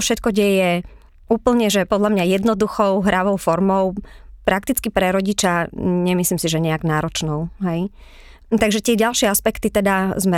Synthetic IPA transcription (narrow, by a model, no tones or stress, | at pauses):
fʃɛt̪̚kɔɟɛjɛ | uːpl̩ɲɛʒɛpɔd̪ʎamɲajɛd̪nɔd̪uxɔʊɦɾʔaʋɔʊfɔɾmɔʊpɾak̚t̪it͡skipɾɛɾɔɟit͡ʃaɲɛmisliːmsiʒɛɲɛaɡnaːɾɔt͡ʃnɔʊɦɛj | t̪aɡʒɛt̪ɪɛɟalˠʃɪɛaspɛkt̪it̪ɛd̪azmɛ